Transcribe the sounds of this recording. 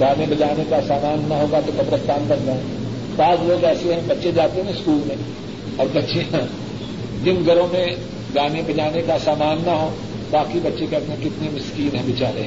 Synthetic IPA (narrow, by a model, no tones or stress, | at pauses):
ɡaːnẽbɐd͡ʒaːnekasaːmaːnːɐɦoːɡat̪opɐbɾəst̪ʰaːnbɐ̃nd͡ʒaːɛ̃ | baːzloːɡɛːseɦɛ̃bɐtːʃed͡ʒaːt̪eɦɛ̃skuːlmẽ | ɔːɾbɐtːʃijã | d͡ʒɪnɡʱɐɾõmẽ | ɡaːnẽbɐd͡ʒaːnekasaːmaːnːɐɦõː | baːkibɐtːʃekɛɾt̪ẽkɪt̪nemɪskiːlɦɛ̃bɪt͡ʃaːɾe